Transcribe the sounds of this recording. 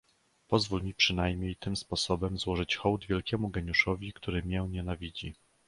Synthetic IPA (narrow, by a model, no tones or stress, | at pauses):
pɔzvulmʲipʂɘn̪ajmʲɲejt̪ɘmspɔsɔbɛmzwɔʐɘt͡ɕxɔwd̪vʲjɛlkʲɛmuɡɛɲuʂɔvʲikt̪uɾɘmʲɛwɲɛnavʲid͡ʑi